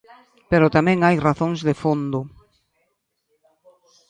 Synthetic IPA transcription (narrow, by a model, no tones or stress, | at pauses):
peɾʊt̪amɛ̃ŋajraθõŋzðefond̪ʊ